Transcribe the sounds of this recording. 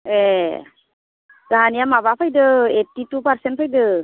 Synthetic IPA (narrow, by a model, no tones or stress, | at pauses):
e | zaɦanijamaβapʰajdɯetːitupaɾsent̚pʰajdɯ